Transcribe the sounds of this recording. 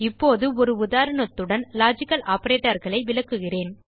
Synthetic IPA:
ɪpːoːðɯɔɾɯʊðaːɾɐɳɐt̪ːɯɽɐnlaːd͡ʒɪkːɐlaːpːɐɾeːʈːɐɾɣɐɭɐɪʋɪlɐkːɯɣɪreːn

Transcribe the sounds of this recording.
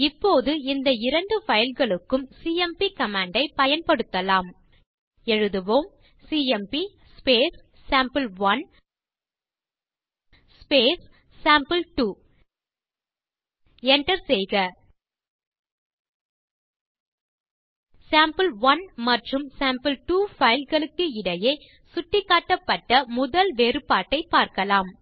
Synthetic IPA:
ɪpːoːðɯɪnd̪ɐɪɾɐɳɖɯfɐjɐlɣɐɭɯkːɯmsiːɛmpikɐmaːɳɖɐɪpɐjɐnpɐɽɯt̪ːɐlaːm | ɛɻɯðɯʋoːm | siːɛmpi | speːsː | aːmpɐlʋɐn | speːsː | aːmpɐlʈuː | ɛɳʈɐɾsɛjɣɐ | saːmpɐlʋɐnmɐʈrɯmsaːmpɐlʈuːfɐɪlɣɐɭɯk̪ːɯɪɽɐjɐɪ | sʊʈːɪkːaːʈːɐpːɐʈːɐmʊðɐlʋeːɾɯpaːʈːɐɪpːaːɾkɐlaːm

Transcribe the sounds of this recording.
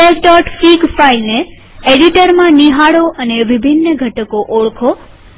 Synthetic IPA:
esɖɔʈfiɡfailne | eɖiʈəɾmãniɦaɽoʔəneʋibʱinːəɡʱəʈəkoʔoɭkʰo

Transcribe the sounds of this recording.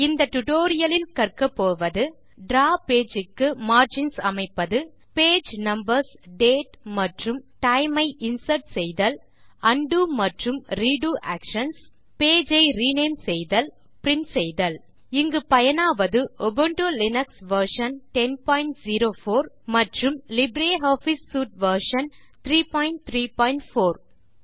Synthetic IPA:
ɪnd̪ɐʈʊʈoːɾɪjɐlɪlkɐɾkɐpːoːʋɐðɯ | ɖɾaːpeːd͡ʒɪkːɯmaːɾd͡ʒɪnsɐmɐɪpːɐðɯ | peːd͡ʒnɐmbɐɾsɖeːʈmɐʈrɯmʈɐɪmɐɪʔɪnsɐɾʈsɛjðɐl | ɐɳɖumɐʈrɯmɾiːɖuːʔaːkʂɐns | peːd͡ʒɐɪɾiːneːmsɛjðɐl | pɾɪnsɛjðɐl | ɪŋɡɯpɐjɐnaːʋɐðɯʔɔbɯɳʈolɪnɐksʋɐɾʂɐnʈɛnpaːjɪɳʈziːɾoːfoːɾ | mɐʈrɯmlɪbɾeːɦoːfisːuːʈ̚ʋɐɾʂɐn | t̪ɾiːpaːjɪɳʈ̚t̪ʰɾiːpaːɪɳʈfoːɾ

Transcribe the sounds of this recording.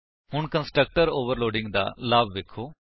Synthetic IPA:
hʊɳkənsʈɾək̚ʈəɾoːʋəɾloːɖɪ̃ŋɡd̪a̰ːlaːbʋeːkʰːoː

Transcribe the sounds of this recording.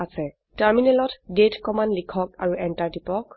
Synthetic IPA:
asɛ | taɹminɛlɔtdetkɔmanlikʰɔk̚aɹuɛntaɹtipɔk

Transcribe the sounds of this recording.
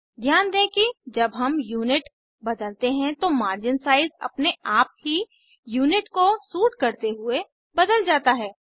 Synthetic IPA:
d̪ʱjaːnd̪ẽːkid͡ʒɐbɦɐmjuːnɪʈ | bɐd̪əlt̪eɦɛ̃t̪omaːɾd͡ʒɪnsaːɪzɐ̰pneaːp̚ɦi | juːnɪʈkosuːʈkɐɾt̪eɦʊe | bɐd̪əld͡ʒaːt̪aɦɛː

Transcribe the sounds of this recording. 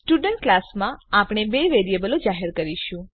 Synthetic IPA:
sʈuɖəɳʈ̚klasmãapɳ̃ebeʋeɾijəbəlod͡ʒaɦeɾkəɾiʃũ

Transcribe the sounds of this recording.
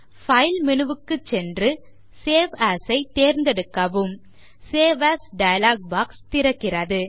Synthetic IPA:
fɐɪlmɪɳɯʋɯkːɯt͡ʃːɛndrɯ | seːʋaːsɐɪt̪eːɾnd̪ɛɽɯkːɐʋɯm | seːʋasɖɐjɐlaːɡ̚baːkst̪ɪɾɐkːɪrɐðɯ

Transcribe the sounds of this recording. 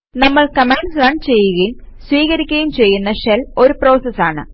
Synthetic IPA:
nɐmːɐɭkɐmeːɳɖsrɐɳɖt͡ɕe̞jːuɣɐjum | swiːɣɐɾikʲːɐjumt͡ɕe̞jːunːɐʂelo̞ɾupro̞ːsɐsaːɳɨ̰

